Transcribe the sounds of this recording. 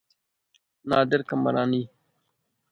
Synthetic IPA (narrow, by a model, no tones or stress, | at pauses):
naːd̪ɪɾkɐmɐ̰ɾaːniː